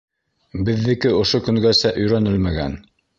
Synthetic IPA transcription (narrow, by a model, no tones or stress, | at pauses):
bɘ̆ðːɘ̆kɘŏʃokɵ̆ŋɡæsæʔɵ̆jɾænɘlmæɡæ̰n